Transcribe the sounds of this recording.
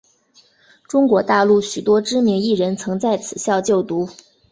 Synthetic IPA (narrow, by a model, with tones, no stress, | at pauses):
ʈ͡ʂʊ˥ŋkwɔ˧˥t̪a˥˧lu˥˩ɕy˨˩t̪wɔ˥ʈ͡ʂɻ̩˥mi˧˥ŋi˥˩ɻə˧˥nt͡sʰɤ˧˥ŋt͡sa˥˩ɪt͡sʰɹ̩˨˩ɕjɑ˥˧ʊt͡ɕjo˥˩ʊt̪u˧˥